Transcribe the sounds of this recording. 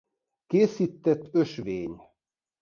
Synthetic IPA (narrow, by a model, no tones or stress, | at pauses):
keːsiːt̪ːɛt̪ːøʃʋeːɲ